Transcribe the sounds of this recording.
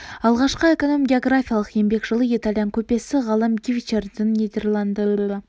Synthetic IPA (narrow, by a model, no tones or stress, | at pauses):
ɑlˠʁɑʃqəekonomɡʲeo̞ɡrafʲijalˠəqje̞mbe̞kʒ̥əlˠəit̪alʲijaŋkʲʰɵpe̞sɪʁɑlˠəmɡʲivʲit͡ʃerd̪ɪnːʲid̪erlˠand̪əɪ